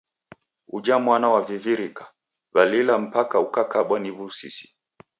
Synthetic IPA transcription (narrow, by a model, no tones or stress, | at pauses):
ud͡ʒamwanawaviviɾikḁ | βalilam̩pakaukakaɓwaniβusisi̥